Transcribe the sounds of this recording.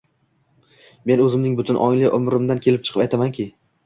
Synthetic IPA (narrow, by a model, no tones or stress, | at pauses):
me̞nɵzɪmnɪŋbʊt̪ʰʊnʔɒjlɪʔʊ̰mɾɪmd̪ankʲʰe̞lɪp̚t͡ʃʰɨ̥qʰɨpajt̪ʰamankʲʰɪ